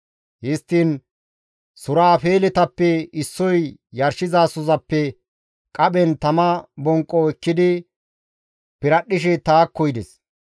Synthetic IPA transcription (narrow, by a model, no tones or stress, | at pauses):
hɪst̪ːin | sʊɾaːfe̞ːlɛt̪ɐpːɛɪsːɔjjɐɾʃɪzaːsʊzɐpːɛ | kʼɐɓɛnt̪ɐmɐbɔŋkʼːɔɛkːɪd̪ɪ | pɪɾɐɗːɪʃ̬ɛt̪aːkːɔjd̪ɛs